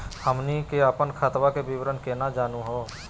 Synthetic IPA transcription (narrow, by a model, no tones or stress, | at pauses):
həmnikeəpənkʰaːt̪ʋakebɪʋɾənkenad͡ʒaːnũɦoː